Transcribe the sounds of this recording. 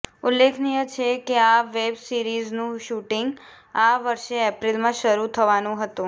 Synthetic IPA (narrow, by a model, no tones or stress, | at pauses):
ulːekʰnijət͡ʃʰekeaʋebsiɾiznũʃuʈɪŋɡ | aʋəɾʃeɛpɾilmãʃəɾut̪ʰəʋanũɦət̪ũ